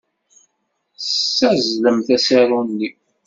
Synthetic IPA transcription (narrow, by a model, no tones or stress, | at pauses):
æzləmθæsaɾˤunːi